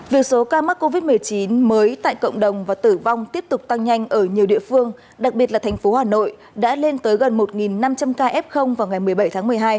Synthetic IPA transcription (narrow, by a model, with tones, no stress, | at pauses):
vi˨˩ək̚so˨˦kaː˧ma˦˥k̚ko˧vi˦˥t̚mɨ˨˩əjt͡ɕi˨˦nməː˨˦jt̪a̰ː˧˨jkə̰˧˨ŋ͡mɗə˨˩wŋ͡mvaː˨˩t̪ɨ˧˩va˧wŋ͡mt̪i˦˥əp̚t̪ʊ˨˩k͡p̚t̪a˧ŋɲa˧jŋ̟ʔəː˧˩ɲi˨˩əwɗḭ˧˨əfɨ˧əŋ | ɗa˨˩k̚ɓi˨˩ət̚laː˨˩t̪ʰa˨˩ŋ̟fo˨˦haː˨˩no̰˧˨j | ɗa̰ː˧˥le˧nt̪əː˨˦jɣə˨˩nmo˨˩t̚ŋi˨˩nːa˧mt͡ɕa˧mkaː˧ʔɛ˦˥p̚xə˧wŋ͡mvaː˨˩wŋa˨˩jmɨ˨˩əjɓə˧˩jt̪ʰaː˨˦ŋmɨ˨˩əjɦaː˧j